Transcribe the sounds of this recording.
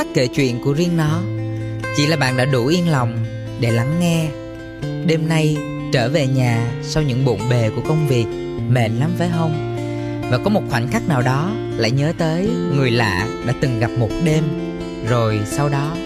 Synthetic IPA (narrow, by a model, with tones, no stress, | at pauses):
a˦˥k̚ke˧˩t͡ɕwḭ˧˨ənku˧˩əzi˧əŋnɔ˨˦t͡ɕḭ˧˩laː˨˩ɓa̰ː˧˨nɗa̰ː˧˥ɗu˧˩ʔi˧ənla˨˩wŋ͡m | ɗe˧˩la˨˦ŋːɛ˧ | ɗe˧mna˧j | t͡ɕəː˧˩ve˨˩ɲaː˨˩sa˧wɲɨ̰˧˥ŋɓṵ˧˨ənɓe˨˩ku˧˩əkə˧wŋ͡mvi˨˩ək̚ | mḛ˧˨nla˨˦mve˨˦ɦə˧wŋ͡m | vaː˨˩kɔ˨˦mo˨˩t̚xwa˧˩jŋ̟xa˦˥k̚naː˨˩wɗɔ˨˦ | la̰ː˧˨jɲəː˨˦t̪əː˨˦jŋɨ˨˩əjla̰ː˧˨ɗa̰ː˧˥t̪ɨ˨˩ŋɣa˨˩p̚mo˨˩t̚ɗe˧m | zo˨˩jsa˧wɗɔ˨˦